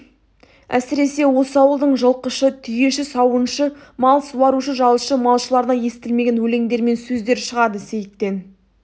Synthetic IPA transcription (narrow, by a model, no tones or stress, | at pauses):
æ̰sɪɾe̞se̞wo̞səɑwəlˠd̪əɴʒəlˠqəʃət̪ʰʏje̞ʃɪsɑwənʃəmɑlˠsuwɑɾuʃəʒɑlˠəʃəmɑlˠʃəlˠɑɾənɑje̞st̪ɪlme̞ɡʲe̞nwɵle̞ŋd̪e̞ɾme̞nsɵzd̪e̞ɾʃəʁɑd̪əse̞jɪt̪ːe̞n